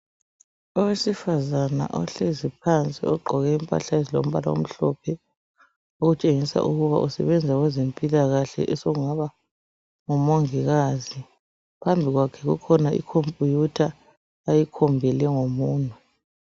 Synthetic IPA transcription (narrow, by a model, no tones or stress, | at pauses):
ɔwesifazana̰ʔɔɬezipʰant͡sʼḭɔɡ͡ǃʱɔɣɛimpʼa̰ɬazilo̰m̩βala̰wo̰m̩ɬɔ̰pʰɛ | oɣut͡ʃʼeŋisa̰ʔuɣuβa̰ʔusɛ̰βɛnd͡zʱaɣwɛzempʼilaɣaɬɛ̰ʔɛsoɣuŋaβa | ŋumoŋiɣazi | pʰambʱiɣwakʰɛɣukʰɔnaḭkʰompʼujutʰaː | jikʰɔmbʱɛlɛŋomuːntʰʼu